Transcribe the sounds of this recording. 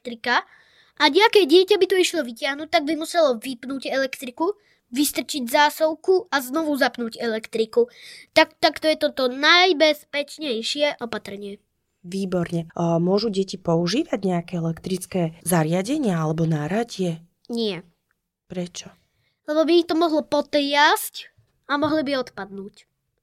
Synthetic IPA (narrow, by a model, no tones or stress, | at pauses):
t̪ɾika | ʔaɲɛakɛːɟɪɛcabit̪uiʃlɔʋicɪaɦnut̚t̪ːaɡ̚bimusɛlɔʋipnuːɟɛlɛkt̪ɾiku | ʋist̪r̩t͡ʃiɟzaːsɔʊkuaznɔʋuzapnuːɟɛlɛkt̪ɾikut̪akt̪akt̪ɔjɛt̪ɔt̪ɔnajbɛspɛt͡ʃɲɛjʃɪɛʔɔpat̪ɾ̩ɲɪɛ | ʋiːbɔɾɲɛmʊɔʒuɟɛcipɔuʒiːʋaɟɲɛakɛɛlɛkt̪ɾit͡skɛːzaɾɪaɟɛɲɪaalɛbɔnaɾaɟɪɛ | ɲɪɛ | pɾɛt͡ʃɔ | lɛbɔbiːxt̪ɔmɔɦlɔpɔt̪jasc | amɔɦlibiɔt̪pad̪nuːc